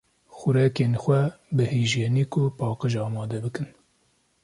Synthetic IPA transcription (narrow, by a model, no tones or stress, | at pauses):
xʊɾɛkeːnxʷɛbɨheːʒjeːniːkʊpɑːqɨʒɑːmɑːd̪ɛbɨkɨn